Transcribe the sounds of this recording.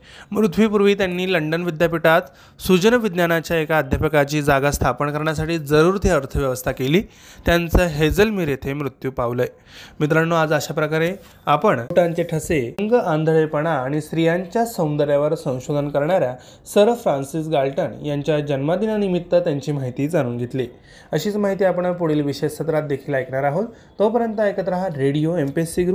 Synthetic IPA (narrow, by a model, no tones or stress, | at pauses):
mɾut̪ʰʋipuɾʋiːt̪janːiːləɳɖənʋid̪japiʈat̪ | sud͡ʑənəʋid̪njanat͡ɕjaekad̪ʱjapəkat͡ɕiːd͡zaɡast̪ʰapəɳkəɾɳjasaʈiːd͡zəɾuːɾt̪jaəɾt̪ʰəʋjəʋəst̪ʰakeliː | t̪jant͡səːɦed͡zəlmiːɾjet̪ʰemɾut̪juːpaʋləj | mit̪ɾanːoad͡zəɕapɾəkaɾe | apəɳʈaɲt͡ɕeʈʰəseŋɡəãnd̪ʱəɭejpəɽ̃aːɽ̃isɾijaɲt͡ɕjasə̃wnd̪əɾjaʋəɾsə̃w̃ɕod̪ʱənkəɾɳaɾja | səɾfɾansisɡalʈənjaɲt͡ɕjad͡ʑənmad̪inanimit̪ːət̪jaɲt͡ɕiːmaɦit̪iːd͡zañuːnɡʱet̪li | əɕiːt͡smaɦit̪iːapəɳəpuɽelʋiɕesət̪ɾat̪̚d̪ekʰiːlajkʰɳaɾaɦot̪ | t̪opəɾjənt̪əekət̪ɾəɦaɾeɽijoempesiɡɾu